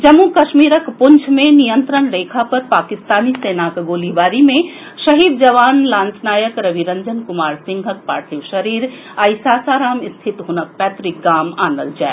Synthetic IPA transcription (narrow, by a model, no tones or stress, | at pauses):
d͡ʒəmːukɐʃmiɾəkpunt͡ʃʰmenijənt̪ɾənɾeːkʰapɐɾpaːkist̪aːniseːnakɡoːliʋaːɾimẽ | ʃɐɦid̪d͡ʒəʋaːnlaːnt͡ʃnaːjəkɾəʋʱiɾəɲd͡ʒənkumaːɾsĩŋɡʱək̚pa̰ːɾt̪ʰiwʃəɾiːɾ | ajsasaːɾaːmist̪ʰit̪ɦunək̚pɛt̪ɾik̚ɡaːma̰ːnə̰ld͡ʒaɛ